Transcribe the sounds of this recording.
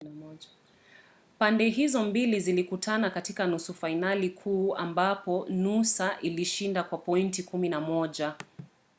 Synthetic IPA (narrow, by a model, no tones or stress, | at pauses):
pandɛɦizɔmbilizilikutʰanakatikanusufainalikʰuːa̰mbapɔnusaʔiliʃindakwapɔintikuminamɔʄa